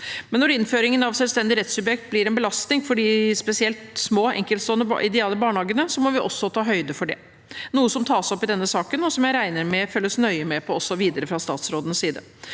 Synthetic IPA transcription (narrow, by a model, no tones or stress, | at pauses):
mɛnːɔɾɪnføːɾɪŋənɑʋsɛlʋst̪ɛnd̪ɪɾɛt̪sʉbjɛkt̪̚blɪɾɛnbəlɑst̪nɪŋfɔɖispɛsɪɛlt̪smoːɛ̰ŋkəlt̪st̪oːənə̰ʔɪd̪ɛɑːləbɑːɳhɑːɡənəsɔmɔʋɪʔɔ̰sːɔt̪ʰɑːɦœʏd̪əfɔɖɛ̰ | nuːəsɔmt̪ʰɑːsɔpːɪd̪ɛnːəsɑːkənɔsɔmjæɪɾæɪnəɾmɛføːləsnœʏəmɛpʰɔɔsɔʋiːd̪əɾəfɾɑst̪ɑːt̪sɾoːd̪ənəsːiːd̪ə̰